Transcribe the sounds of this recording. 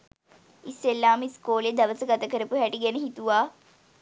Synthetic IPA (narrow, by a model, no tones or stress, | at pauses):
isːelːaːmiskoːljəd̪ɐʋəsəɡɐt̪ɐkəɾəpuɦæʈiɡɛnəɦit̪uʋaː